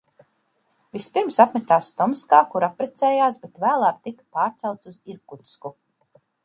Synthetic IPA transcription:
vispiɾmsapmɛt̪aːst̪ɔmskaːkuɾapɾɛt̪sɛːjaːsbet̪væːlˠaːk̚t̪ikpaːɾt̪sawt̪suziɾkut̪sku

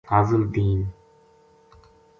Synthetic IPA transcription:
aːzəld̪iːn

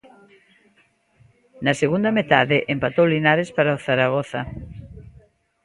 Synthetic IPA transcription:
naseɣund̪amet̪a̰ðeʔempat̪owlinaɾespaɾaoθaɾaɣɔθa

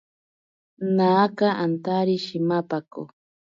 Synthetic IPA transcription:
nakaant̪aɾiʃimapako̰

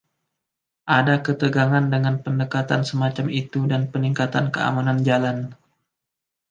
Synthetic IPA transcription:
ʔadakət̪əɡaŋandəŋanpəndəkat̪ansəmat͡ʃamit̪udanpəniŋkat̪ankəa̰manand͡ʒalan

